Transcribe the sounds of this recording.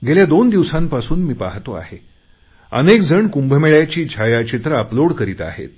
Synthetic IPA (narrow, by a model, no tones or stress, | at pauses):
ɡeljad̪ond̪iʋsãmpasuːnmiːpaɦt̪oa̰he | ənekd͡zʱəɳkumbʱəmeɭjat͡ɕiːt͡ɕʰajat͡ɕit̪ɾəəploɽkəɾiːt̪a̰hḛt̪̚